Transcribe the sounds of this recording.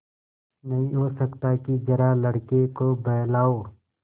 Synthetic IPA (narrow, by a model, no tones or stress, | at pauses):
nɐɦĩɦosəkt̪akid͡ʒɐɾalɐɽkekobɐɦlaːoː